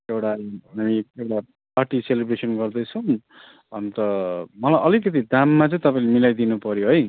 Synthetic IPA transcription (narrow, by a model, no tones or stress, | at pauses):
ewʈaamiewʈa | parʈiselibɾesʌnɡʌrd̪ʌjt͡sʰʌ | ʌnt̪ʌmʌlajʔʌlikʌt̪̬id̪ʱamːat͡sʌj̃t̪ʌpãĩlemilajd̪inupʌɾjoɦʌj